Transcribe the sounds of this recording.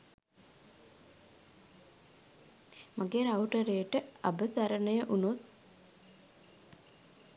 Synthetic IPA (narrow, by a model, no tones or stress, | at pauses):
maɡeɾawʈəɾejəʈəabəsaɾənəjəʔunot̪̚